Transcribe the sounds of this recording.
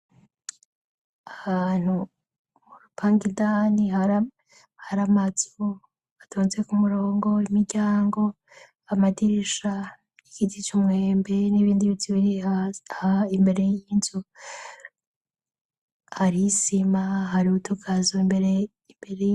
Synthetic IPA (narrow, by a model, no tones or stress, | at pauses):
ahaːn̥hu | muɾupʰaːŋɡidaniha | haɾamazo | atʰoːnzekumuɾoːŋɡo̞imiɾɟaːŋɡo̞ | amadiɾiʃa | ikitit͡ʃumŋeːmbe̞niβiːndiβit͡siβiɾiahaimbe̞ɾe̞jiːnzu | haɾisimaɦaɾiutʰuɡazoimbeɾe | imbeɾe